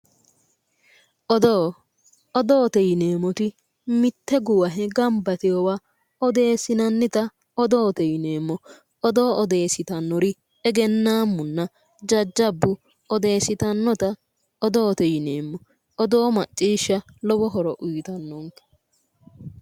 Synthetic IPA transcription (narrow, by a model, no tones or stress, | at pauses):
d̪ | ɔd̪oːt̪ɛjɪneːmɔt̪ɪ | mɪt̪ːɛɡʊwɐɦɛɡɐmbɐt̪ɪjɔwa | ɔd̪e̞ːsɪnɐnːɪt̪ɐ | ɔd̪oːt̪ɛjɪne̞ːmːɔ | ɔd̪oːɔd̪e̞ːsɪt̪ɐnːɔɾɪ | ɛɡɛnːaːmːʊnːɐ | d͡ʒɐd͡ʒːɐbːʊ | ɔd̪e̞ːsɪt̪ɐnːɔt̪ɐ | ɔd̪oːt̪ɛjɪneːmːɔ | ɔd̪oːmɐt͡ʃʼːiːʃːɐ | lɔbɔɦɔɾɔʔʊjt̪ɐnːɔnkɐ̥